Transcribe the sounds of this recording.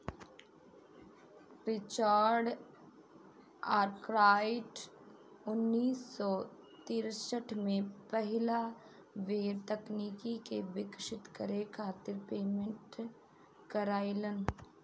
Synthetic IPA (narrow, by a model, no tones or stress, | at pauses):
pɾɪt͡ʃaːɾɖ | aːɾkɾaːɪʈ | ʊnːiːsːɔ | t̪iːɾsəʈʰmẽpəɦɪla | ʋeːɾt̪əkniːkikeʋɪkʃɪt̪kəɾekʰaːt̪ɪɾpeːmẽɳʈ | kəɾaːilən